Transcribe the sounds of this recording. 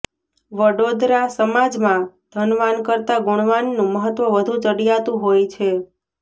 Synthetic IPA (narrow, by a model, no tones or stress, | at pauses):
ʋəɽod̪ɾasəmad͡ʒmãd̪̥ʱənʋankəɾt̪aɡʊɽ̃ʋanːũməɦət̪ʋəʋəd̪ʱũt͡ʃəɽijat̪ũɦojt͡ʃʰe